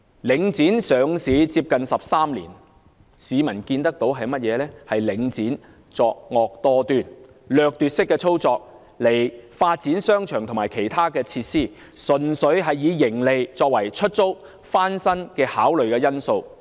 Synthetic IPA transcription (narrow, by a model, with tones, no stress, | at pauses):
lɪ˨˧ŋt͡siː˨˥nsœː˨˧ŋsiː˨˧t͡siː˧p̚kɐ˨nsɐ˨p̚saː˥mlḭː˨˩n | siː˨˧mɐ˨˩nkiː˧nt̪ɐ˥k̚t̪o˨˥wɦɐ˨jmɐ˥t̚jɛː˨˧lɛː˥hɐ˨jlɪ˨˥ŋt͡siː˨˥n | t͡sɔː˨˧k̚ŋɔː˨k̚t̪ɔː˧t̪yː˨n | lœː˨k̚t̪yː˨t̚sɪ˥kːɛː˧t͡sʰo˥wt͡sɔː˧k̚ | le˨˩jfaː˧t̚t͡si˨˥nsœː˥ŋt͡ʃʰœː˨˩ŋt̪ʰʊ˨˩maː˨˩jkʰe˨˩jt̪ʰaː˥kɛː˧t͡sʰiː˧t̚siː˥˩ | sɵ˨nsɵ˨˥ɥɦɐ˨jːiː˨˧jɪ˨˩ŋle˨jt͡sɔː˧k̚wɐ˨˩jt͡ʃʰɵ˥t̚t͡so˥w | faː˥nsɐ˥nkɛː˧haː˨˥wlɵ˨ɥkɛː˧jɐ˥nso˧w